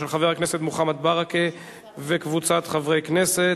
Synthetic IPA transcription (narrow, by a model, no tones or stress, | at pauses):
elχaveakneset̪muχamat̪̚baʁake | vekvut͡sat̪χavʁejknese